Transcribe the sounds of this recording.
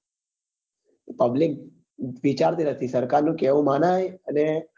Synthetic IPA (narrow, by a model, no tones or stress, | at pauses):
pəblɪk̚ | ʋit͡ʃaɾt̪ʰinət̪ʰisəɾkaɾnũkeʋũmanajəne